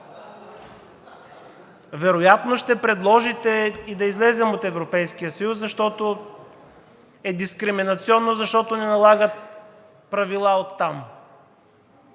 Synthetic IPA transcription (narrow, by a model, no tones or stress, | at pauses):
vɛɾojat̪noʃt̪ɛpɾɛd̪lˠɔʒit̪ɛid̪ɐizlɛzɛmot̪ɛvɾopɛjskijəsɐjuszɐʃt̪ɔt̪o | ɛd̪iskɾiminɐt̪siɔnːozɐʃt̪ɔt̪onɛnɐlˠaɡət̪̚ | pɾɐvilˠaot̪ːam